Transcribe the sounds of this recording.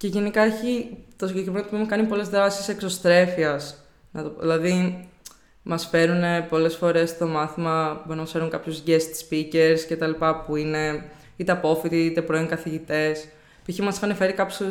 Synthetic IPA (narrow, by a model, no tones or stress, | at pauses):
ceʝe̞nikɐeçit̪osiɲɟekɾiment̪opmekɐnipo̞le̞zðɾɐsisekso̞st̪ɾe̞fiɐs | nɐt̪oðilɐði | mɐsfe̞ɾune̞po̞le̞sfo̞ɾe̞st̪o̞mɐθimɐboɾinɐmɐsfe̞ɾuŋkɐpçuzʝest̪i̥spice̞ɾsce̞t̪ɐlipɐpuine̞ | it̪e̞ɐpo̞fit̪iit̪e̞pɾoiŋkɐθiʝit̪e̞s | puiçimɐsxɐnefe̞ɾikɐpçu